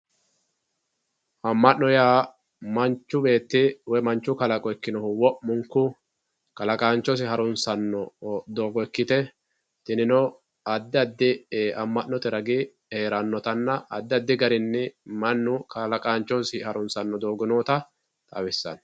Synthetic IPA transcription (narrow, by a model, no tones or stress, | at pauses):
hɐmːɐnnɔjaː | mɐnt͡ʃːʊbe̞ːt̪ːɪwɛmɐnt͡ʃːʊkɐlɐkʼɔɛkːɪnɔhʊwɔʔmʊŋkːʊ | kɐlɐkʼaːnt͡ʃːɔs̬ɪɦɐɾʊnsɐnːɔd̪oːɡɔkːɪt̪ɛ | t̪ɪnɪnɔ | ɐd̪ːɪɐd̪ːɪʔɐmːɐʔːɔt̪ɛɾɐɡɪ | eːɾɐnːɔt̪ɐnːɐʔɐ̰d̪ːɪɐd̪ːɪɡɐɾɪnːɛmɐnːʊkʰɐlɐkʼaːnt͡ʃːɔsɪhɐɾʊnsɐnːɔd̪o̞ːɡɪnoːt̪ɐ | t̪ʼɐ̰wɛsːɐ̰n